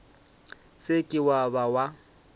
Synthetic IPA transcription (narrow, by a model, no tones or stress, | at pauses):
sɪkʼɪwabawa